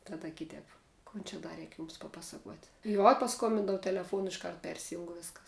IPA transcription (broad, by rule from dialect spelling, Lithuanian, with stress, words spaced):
ˈtɑːdɐ ˈkʲɪtʲɛːp ˈkoːn t͡ʃʲɛ ˈdɐ ˈrʲɛɪk ˈjʊms pɐˈpɑːsɐkuɔtʲ juɔ pɐˈskoːmʲbʲɪndoːʊ tʲɛlʲɛˈfuɔnʊ ɪʃˈkɐrt ˈpʲɛrʲsʲɪjʊŋk ˈʋʲɪskɐs